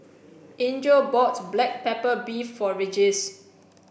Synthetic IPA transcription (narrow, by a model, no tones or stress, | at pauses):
ʔĩnd͡ʒobɔtblɛk̚pɛpəbifɔɹid͡ʒɛs